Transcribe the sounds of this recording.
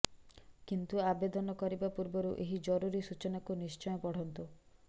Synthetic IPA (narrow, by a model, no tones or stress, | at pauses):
kint̪uabed̪ɔnɔkɔɾibapuɾbɔɾuʔeɦid͡ʒɔɾuɾisut͡ʃɔnakunist͡ʃɔjɔpɔɽ̤ɔnt̪u